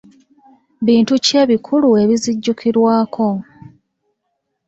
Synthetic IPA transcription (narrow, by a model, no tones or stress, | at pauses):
βiːntuce̞ːβikʰulue̞βiziɟːukʰiɾwaːkʰo̞